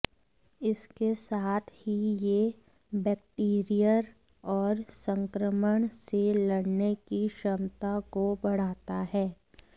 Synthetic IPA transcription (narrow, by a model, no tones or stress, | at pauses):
ɪskesaːt̪ʰhije | bɛːkʈiːɾijəɾ | ɔːɾsə̃ŋkɾəməɳ̃selɐɽnekiʃəmt̪akobɐɽ̤aːt̪aɦɛː